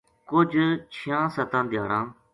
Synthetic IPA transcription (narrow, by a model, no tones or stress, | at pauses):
kʊd͡ʒt͡ʃʰijãːsət̪ãːd̪ɪja̰ːɽãː